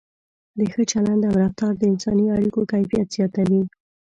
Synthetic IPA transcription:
d̪əxət͡ʃaland̪amɾaft̪ɑɾd̪əɪnsɑniaɽikokajfijat̪z̥jɑt̪awi

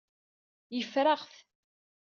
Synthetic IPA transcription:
jəfɾaʁθ

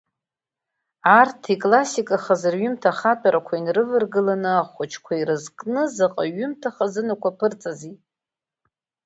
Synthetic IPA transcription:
artʰikʼlasikʼaχazɨrɥʏmtʰaχapʼaɾakʷʰainrɨvɨrɡɨlanɨaχʷʊt͡ʃʰkʷʰairɨzkʼnɨzaqʼaɥʏmtʰaχazɨnakʷapʰɨrt͡sʼazi

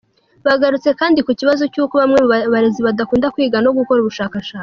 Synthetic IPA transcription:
βaɡaɾut͡se̞kaːndikuciβazo̞cuːko̞βamŋe̞muβaɾe̞ziβadakuːndakwiːɡanoɡuko̞ɾuβuʃaːkaʃaːi

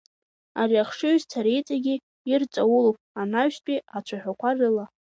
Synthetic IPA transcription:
ariaχʂɨzt͡sʰaɾejt͡sʼaɡʲiː | rt͡sʼawulopʼanaɥstʷʼiat͡ʃʷʰaħᶣakʷʰarɨla

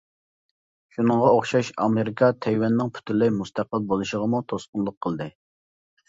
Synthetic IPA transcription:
ʃunɨŋʁɑoχʃɑʃɑ̰meɾɪkʰɑt̪ʰɛjwɛnːɪŋpʰy̥t̪ʰylɪmust̪ʰæqəlˠbolˠuʃəʁəmut̪ʰosqʊnlˠʊqʰːəlˠd̪ɨ

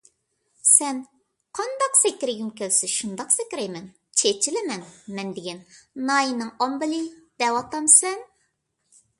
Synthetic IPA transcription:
sɛn | qʰɑnd̪ɑqsɪkʲɾɪɡʲimkʲʰelsɪʃund̪ɑqsɪkʲɾɛjmɛn | t͡ʃʰet͡ʃʰɪlɪmɛnmɛnd̪ɪɡʲɛnnɑjinɨŋɑmbɨlid̪̥ɛwɑt̪ɑmsɛn

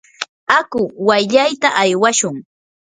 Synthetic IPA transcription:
akʊwajʎajt̪aʔajwaʃʊŋ

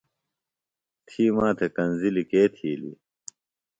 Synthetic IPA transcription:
t̪ʰiːmaːt̪ʰekɐnzilikeːt̪ʰiːlḭ

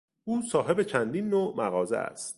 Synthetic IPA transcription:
ʔuːsɒːɦe̞be̞t͡ʃʰænd̪iːnːoːʔmæɣɒːzḛʔæ̰st̪

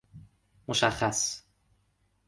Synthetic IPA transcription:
moʃæxːæs

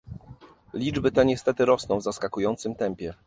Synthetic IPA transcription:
lʲid͡ʐbɘt̪ɛɲɛst̪ɛt̪ɘɾɔsnɔ̃w̃vzaskakujɔnt̪sɘmt̪ɛmpʲjɛ

